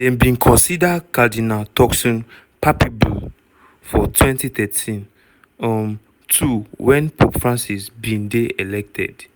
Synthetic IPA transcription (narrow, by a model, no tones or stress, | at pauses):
dɛ̃nbĩnkʰɔ̃nsidakadinaltɔksɔ̃n | pʰapibṵ | fɔtʰwɛ̃ntit̪ɛtʰĩn | ɔm | tʰuwɛ̃npʰopfɹãnsisbĩndeelɛk̚tʰɛ̰d